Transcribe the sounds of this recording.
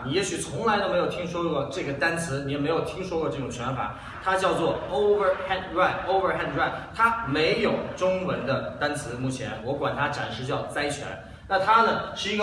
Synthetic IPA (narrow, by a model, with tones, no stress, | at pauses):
ni˨˩jɛ˧˥ɕy˨˩t͡sʰʊ˧˥ŋla˧˥ɪt̪o˥ʊme˧˥ɪjʊi˥ŋʂ̬wɔ˥kwɔ˥˧ʈ͡ʂɤ˥˩ɡə˩t̪a˥nt͡sʰɹ̩˧˥ni˨˥jɛ˨˩me˧˥ɪjo˨˩ʊt̪ʰi˥ŋʂwɔ˥kwɔ˥˧ʈ͡ʂɤ˥˩ʈ͡ʂʊ˨˩ŋt͡ɕʰɥɛ˧˥nfa̰˨˩˦ | t̪ʰa˥t͡ɕjɑ˥˧ʊt͡swɔ˥˩o˥ʊvə˥˧xɛ˥˩nɹa˥˩ɪʔo˥ʊvə˞˧xɛ˥˩nɻwa˥˩ɪt̪ʰa˥me˧˥ɪjo˨˩ʊʈ͡ʂʊ˥ŋwə˧˥nd̪ə˧t̪a˥nt͡sʰɹ̩˧˥mu˥˩t͡ɕʰjɛ̰˧˥nwɔ˧˥kwa˨˩nt̪ʰa˥ʈ͡ʂa̰˨˩nʂɻ̩˥˧t͡ɕjɑ˥˩ʊt͡sa˥ɪt͡ɕʰɥɛ̰˧˥n | na˥˩t̪ʰa˥nə˨ʂɻ̩˥˩i˧˥ɡə˧